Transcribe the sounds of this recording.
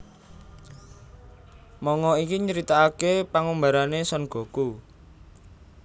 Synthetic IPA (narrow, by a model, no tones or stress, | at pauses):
mɔŋɔikiɲəɾit̪aːkepaŋombaɾanesɔnɡ̥o̤ku